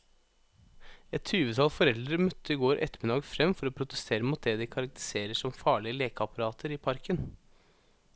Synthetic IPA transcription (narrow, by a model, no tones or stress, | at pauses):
ɛt̪ʃʉːʋət̪ʰɑlsfɔɾɛld̪ɾəmœt̪ʰːəɪːɡoːɾʔɛ̰t̪mɪd̪ɑːɡfɾɛmfɔɾoːpʰɾʊt̪əst̪ʰeːɾəmuːt̪̚d̪ɛːd̪ɪkʰɑɾɑk̚t̪ə̥seːɾəʂɔmfɑːɭɪəleːkɑpɑɾɑːt̪ʰəɾiːpʰɑɾkən